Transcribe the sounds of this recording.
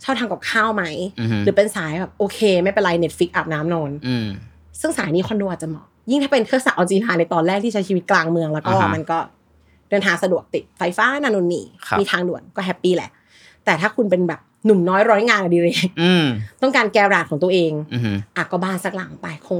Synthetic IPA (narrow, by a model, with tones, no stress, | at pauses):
t͡ɕʰa˥˩t̪ʰaː˧ŋka˨˩p̚kʰaː˥˩wma˦˥jɾɯː˩˦pe˧nsaː˨˩˦jbɛː˨˩p̚ʔoː˧kʰeː˧ma˥˩jpe˧nla˧jne˨˦˥t̪̚fi˦˥k̚ʔa˨˩p̚naː˦˥mnɔː˧n˧ | sɯ˥˩ŋsaː˩˦jniː˦˥kʰɔ˧ndu˧ʔa˨˩t͡ɕa˨˩mɔ̰ː˨˩ji˥˩ŋt̪ʰaː˥˩pe˧nkʰɯ˥˩əsa˨˧˩ʔɔː˧nt͡ɕiː˧laː˧na˧jt̪ɔː˧nlɛː˥˩t̪ʰiː˥˩a˧˦˥t͡ɕʰiː˧wi˦˥t̪̚klaː˧ŋmɯ˧əŋlɛː˦˥wkɔː˥˩ma˧nkɔː˥˩ | dɤ˧nt̪ʰaː˧ŋsa˧du˨˩ək̚t̪i˨˩t̪̚fa˧jfaː˦˥naː˧˩no˧nːḭː˨˩kʰmiː˧t̪ʰaː˧ŋdu˨˩ənkɔː˥˩ɦɛ˦˥pːiː˥˩lɛ̰˨˩˦ʔ | t̪ɛː˨˩t̪ʰaː˥˩kʰu˧npe˧nbɛː˨˩p̚nu˨˩mnɔː˨˦˥jɾɔː˦˥jŋaː˧nʔa˧˩diː˧ɾeː˧˩˧ | t̪ɔ˥˩ŋkaː˧nkɛː˧ɾaː˨˩kʰɔː˩˦ŋt̪u˧əʔeː˧ŋ˧ʔaː˨˩t̪̚kɔː˥˩baː˥˩nsa˨˦˩k̚la˩˦ŋpa˧jkʰo˧ŋ